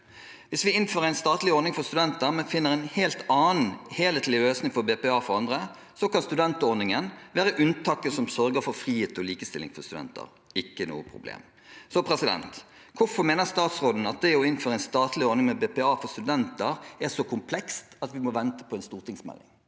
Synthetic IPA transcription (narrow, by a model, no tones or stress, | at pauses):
ʋɪsʋɪɪnføːɾəæɪnst̪ɑːt̪lɪɔɾnɪŋfɔst̪ʉd̪ɛnt̪əɾmɛnfɪnːəʁæɪnheːlt̪ɑːnn̩heːlət̪lɪløːsnɪŋfɔbeːpɛɑːfɔɾɑnd̪ʁə | sɔkɑnst̪ʉd̪ɛnt̪ɔɾnɪŋənʋæːɾəʔʉnt̪ʰɑkːəsɔmsœɾɡəfɔɾfʁiːheːt̪ɔliːkəst̪ɪ̰lːɪ̰ŋfɔʁst̪ʉd̪ɛ̰nt̪ə̰ɾ | ɪkːənṵːəpʰʁʊ̰blḛːm | sɔpʰɾɛsɪd̪ɛ̰nt̪ | kʰʊfɔʁmeːnəʁst̪ɑːt̪sʁoːd̪n̩ɑt̪̚d̪ɛɔɪnføːɾəæɪnst̪ɑːt̪lɪɔɾnɪŋmɛbepɛɑːfɔʁst̪ʉd̪ɛnt̪əɾɛsɔkʰʊmpʰlɛkst̪ɑt̪ʋɪmɔʋɛnt̪ə̥pʰɔɛnst̪uːʁt̪ɪŋsmɛ̰lːɪ̰ŋ